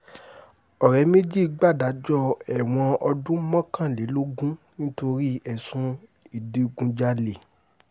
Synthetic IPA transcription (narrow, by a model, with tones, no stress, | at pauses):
ɔ˨ɾɛ˨˦me˦d͡ʒi˦˧ɡ͡ba˦˨da˨˦d͡ʒɔ˦˨ɛ˨w̃ɔ̃˧ɔ˧dũ˦mɔ̃˦kã˦˨le˨˦lo˦ɡũ˦nĩ˦to˧ɾi˦ɛ˨sũ˧ | i˨di˦ɡũ˧d͡ʒa˧le˨